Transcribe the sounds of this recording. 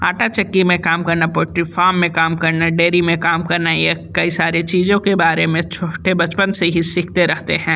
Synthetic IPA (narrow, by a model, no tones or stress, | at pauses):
aːʈat͡ʃɐkːimẽkaːmkɐɾnapoːʈɾifaːmːẽkaːmkɐɾnaɖeːɾimẽkaːmkɐɾnajakɐisaːɾet͡ʃiːzõkebaːɾemẽt͡ʃʰoːʈebɐt͡ʃpənseɦisiːkʰt̪eɾɛɦt̪eɦɛ̃ː